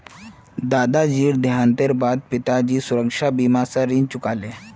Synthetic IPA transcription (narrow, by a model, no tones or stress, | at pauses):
d̪ad̪ad͡ʑiːɽd̪jãnt̪eɾbad̪̚pit̪ad͡ʑiːsuɾəkʂabiːmasaɾint͡ɕukale